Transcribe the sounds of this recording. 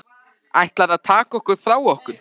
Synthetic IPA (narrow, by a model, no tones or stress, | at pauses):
ajht̪laðaðt̪ʰaːkaɔhkʏɾ̥fɾaːwɔhkʏɾ̥